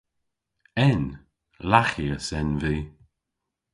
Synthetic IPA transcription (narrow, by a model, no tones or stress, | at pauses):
ɛn | laxiəsɛnviː